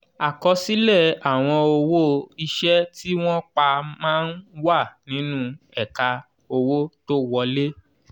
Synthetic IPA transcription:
a˨kɔ˧si˦lɛ˦˨a˨w̃ɔ̃˧o˧wo˦i˧ʃɛ˦ti˦w̃ɔ̃˦k͡pa˧mãː˦n̩˦wa˦˨nĩ˨˦nũ˦ɛ˨ka˧ | o˧wo˦to˦wɔ˧le˦

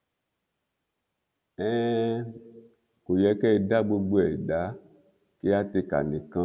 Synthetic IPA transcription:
ɛ̃˦ | ko˨jɛ˧kɛ˦˧da˦ɡ͡bo˧ɡ͡bo˦ɛ˨da˨˦ | ke˦a˦te˧ka̰˨nĩ˨kã˦

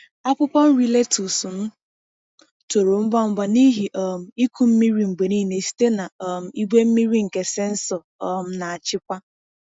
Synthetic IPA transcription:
a˦pʊ˦pɔ˦n̩˦ɾi˦le˦tu˨su˨m̩˦ | to˨ɾo˨m̩˦bɔ˦m̩˦ba˦ni˦ɦi˨ʔɔ˨m̩˨i˦ku˦m̩˦mi˦ɾi˦ŋ͡m̩˨ɡ͡be˨ni˦˨ne˨si̥˦te˦na˨ɔ˨m̩˨i˦ɡ͡be˦m̩˦mi˦ɾi˦ŋ̩˨ke˨se˦n̩˦sɔ˨ | ɔ˦˨m̩˦na˨a˨t͡ʃɪ˦kʷa˦

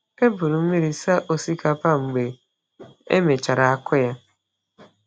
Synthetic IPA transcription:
e˦bʊ˨ɾʊ˨m̩˦mi˦ɾi˨sa˦ʔo˦si˦ka˦pa˦ŋ͡m̩˨ɡ͡be˨ | ḛ˦me˨t͡ʃa˨ɾa˨a˦kʊ˦ja˦

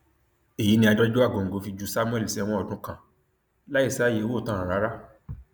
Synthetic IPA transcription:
e˨ji˨˦nĩ˧a˧dɔ˦d͡ʒo˦a˦˨ɡo˨ŋ̩˨ɡo˨˦fi˧d͡ʒu˨˧sa˦mũ˦ɛ˦˨li˨si˦ɛ˦˧w̃ɔ̃˧ɔ˦˨dũ˦kã˨ | la˦i˦˨sa˦je˨˧wo˦˨tã˦ɾ̃ã˨ɾa˨˦ɾa˦

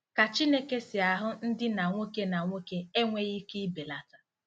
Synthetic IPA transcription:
ka˨t͡ʃi˦ne˦ke˦sɪ˨a˨ɦʊ˦n̩˦dɪ˦na˨ŋʷo˦ke˦na˨ŋʷo˦ke˦e˦ŋʷe˦ɣi˦ki˦be˨la˨tḁ˨

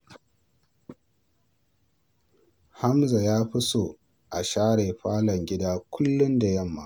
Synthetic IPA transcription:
ha˦mza˨jaː˦ɸɪ˦soː˨ | ʔa˨ʃaː˦ɽeː˨ɸaː˦lɐ˨ŋɡʲɪ˦daː˦kʷʰʊ˦lːʊ˦nda˨jɐ˦˨mːa˦˨

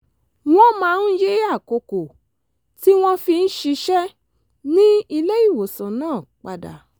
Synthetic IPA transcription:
w̃ɔ̃˦mãː˨˦˧n̩˦je˦a˦˨ko˨ko˨ | ti˦w̃ɔ̃˦fi˧n̩˦ʃi˧ʃɛ˦ | nĩ˦i˧le˦i˦˨wo˨sã˨nãː˦˨k͡pa˧da̰˨

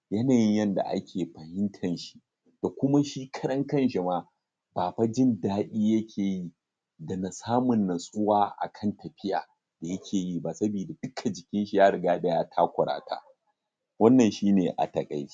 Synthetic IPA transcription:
jɐ˦naː˨jɪ˦jɐ˦nda̰˨ʔa̰˦kʲʰeː˨ɸɐ˨hɪ˦ntʰɐ˨nʃi̥˦ | d̥a˨kʷʊ˦ma˦ʃiː˦kʰɐ̥˦ɽɐ˦ŋkɐ˦nʃi˨maː˦ | baː˨ɸa˦d͡ʒɪ˦ndaː˦ɗʲiː˦jɐ˦kʲʰeː˨ji˦ | dɐ˨na˨saː˦mʊ˨nːɐ˨sʼʊ˦waː˦ʔa̰˨kʰɐ˦ntɐ˨ɸɪ˦ja̰ː˨ | d̥a˨jɐ˦kʲʰeː˨ji˦ba˦sɐ˦biː˨da˨d̥ʊ˦kʰa˨d͡ʒɪ˨kʲɪ˦nʃi˨jaː˦ɽɪ˨ɡaː˦da˦jaː˦tʰaː˦kʷʊ˨ɽa̰ː˨tʰa̰ː˦ | wɐ˦nːɐ˨nʃiː˦neː˨ʔa̰˨tɐ˨kʼa̰˨jt͡ʃi̥˦

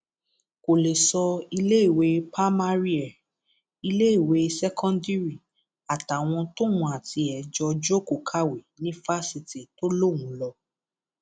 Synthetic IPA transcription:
ko˨le˨sɔ˧i˧le˦i˦˨we˨˦pa˦ma˦ɾi˦a˨ | i˧le˦i˦˨we˨˦sɛ˦kʰɔ̃˦ndi˦ɾi˨ | a˨ta˨w̃ɔ̃˧to˦wũ˧˨a˨ti˧ɛ˨d͡ʒɔ˧d͡ʒo˦ko˨kʰa˦we˨nĩ˨˦fa˦si˧ti˨to˦lo˦˨w̃ũ˨˦lɔ˧

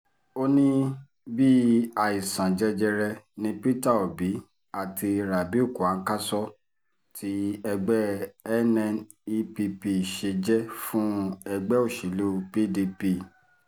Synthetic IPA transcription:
o˦nĩ˦ | bi˦a˧i˨sã˨d͡ʒɛ˦d͡ʒɛ˧ɾɛ˧nĩ˦pi˦ta˦˨o˨bi˨˦ | a˨ti˧ɾa˨bi˨˦u˦˨ku˨a˨˦ka˦sɔ˦ | tʰi˦ɛ˧ɡ͡bɛ˦ɛ˦nɛ̃˧˦n | i˧˦pi˧pi˧˨ʃe˧d͡ʒɛ˦fũ˦ɛ˧ɡ͡bɛ˦o˦˨ʃi˨lo˦˧pi˦di˧pi˧

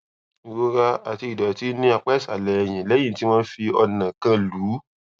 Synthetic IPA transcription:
i˨ɾo˧ɾa˧a˨ti˧i˨dɔ˨ti˦nĩ˦a˧˨k͡pɛ˦sa˨lɛ˨ɛ˧j̃ĩ˨lɛ˨˦j̃ĩ˦˨ti˦w̃ɔ̃˦fi˧ɔ˧nã˨kã˧luː˨˦

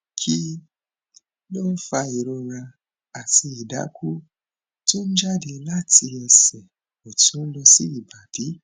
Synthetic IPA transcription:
kʰi˦ | lo˦fa˧i˨ɾɔ˧ɾa˧ | a˨ti˧i˨da̰˨˦ku˦ | tu˦n̩˦d͡ʒa˦de˧la˦˨ti˧ɛ˧˨sɛ˨ | o˨tũ˨˦n̩˦lɔ˧si˦i˦˨ba˨˦b̥i˨˦

